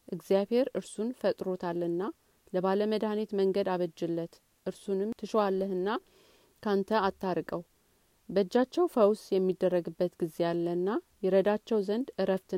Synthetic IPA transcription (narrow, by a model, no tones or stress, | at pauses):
ʔɨɡzijaβhe̞ɾɨɾsunfət̪ʼɾo̞t̪ʰalːɨnːa | ləβaləməd̪anit̪məŋɡəd̪aβəd͡ʒːɪlːət̪ | ʔɨɾsunɨmt̪ʰɨʃoalːəhɨnːa | kʰant̪ʰəat̪ʰːaɾkʼəw | bəd͡ʒːat͡ʃːɛwfəwsjɛmːid̪ːərːəɡɨbːət̪ɡize̞jalːənːajɛɾəd̪at͡ʃːɛwzənd̪ɨɾəft̪ʰɨ